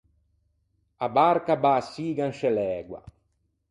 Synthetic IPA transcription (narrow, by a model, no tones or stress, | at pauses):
abaɾkabasːiːɡanʃɛlɛːɡwa̰